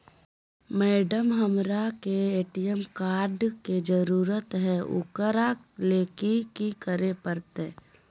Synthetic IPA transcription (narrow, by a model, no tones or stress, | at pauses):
mɛːɖəmɦəmɾakeeːʈijəmkaːɾɖked͡ʒəɾuːɾət̪ɦɛʊ̰kəɾakleːkikikəɾepəɾt̪eː